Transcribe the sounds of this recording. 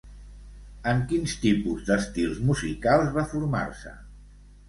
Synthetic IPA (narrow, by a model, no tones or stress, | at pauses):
əŋkinst̪ipuzd̪əst̪ilˠzmuzikalˠzβafuɾma̰ɾsə̰